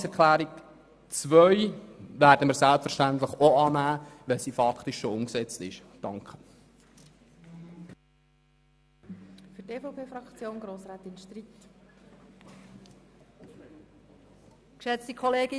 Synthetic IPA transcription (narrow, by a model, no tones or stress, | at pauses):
sɛɾkʰlæːɾik | t͡sʋœʏʋæːɾdəməɾsælpfɛɾʃtænt̪ləχoɑːnæːʋɛlsiːfɑkχtɪʃʃoʊmksɛt͡stɪʃ | d̥ɑŋkχə̥ | fyteːfopʰeːfɾɑkt͡sjoːnɡɾoːsɾaːt̪ɪnʃtɾiːt | kʃɛt͡stikʰɔleːɡɪ